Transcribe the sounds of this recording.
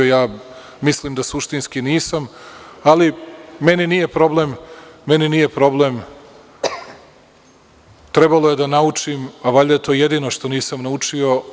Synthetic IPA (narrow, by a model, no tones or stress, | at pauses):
jaː | misliːmd̪asuʃt̪inskiniːsamalime̞ninije̞pɾo̞blemːe̞niniːje̞pɾo̞blem | t̪ɾe̞balo̞je̞d̪anaut͡ʂimaʋaʎʲd̪ajet̪o̞ːjed̪iːno̞ʃt̪o̞niːsamnaut͡ʂio̞